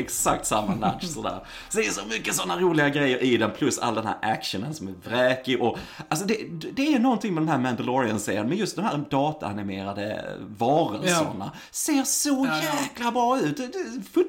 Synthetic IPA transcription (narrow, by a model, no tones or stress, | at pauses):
ɛksak̚t̪samːana̰t̪ːsɔd̪æ̰ːɾ | sɔd̪ɛʂɔmʏkːəsɔnːaɾuːlɪɡaɡɾɛjːəɾʔɪd̪ɛnpʰlɵsa̰lːd̪ɛnhæ̰ːɾʔækʂənənsɔmæɾvɾɛːkɪʔɔals̬ɔd̪ɛd̪d̪ɛæɾnɔnt̪ɪŋmɛd̪ɔɛmhæːɾmænd̪əlɔɾɪənsḛːənmɛnjɵst̪̚d̪ɔmhæːɾd̪ɑːt̪a̰a̰nɪmeːɾad̪ə̰vɑːɾəlsə̰ɳa̰ | seːɾsɔjæːklabɾɑːʉ̟ːt̪̚d̪ɛfɵ